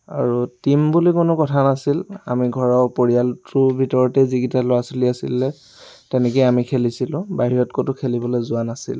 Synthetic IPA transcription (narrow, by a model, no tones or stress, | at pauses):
a̰ɹutimbulikʊnʊkɔtʰanasila̰miɡʱɔɹɔpoɹialtʊbʱitɔɹɔtɛziɡitalʊasoliasḭlːɛ | tɛnɛkɔjamikʰelisilʊ̃baɦiɹɔtkotʊkʰelibɔlɔjzʊanasḭl